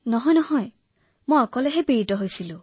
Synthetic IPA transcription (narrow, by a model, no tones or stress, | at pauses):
nɔɦɔjnɔɦɔj | mojɔkɔleɦebiɹitɔɦojsilu